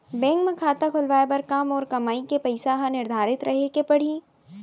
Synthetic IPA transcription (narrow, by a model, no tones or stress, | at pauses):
bɛ̃ːŋkmẽkʰaːt̪akʰʊlʋaːepɐɾkaːmɔːɾkɐmaːikepɐɪsaɦãnɪɾd̪ʱaːɾɪt̪ɾʔɐɦekepɐɽ̤iː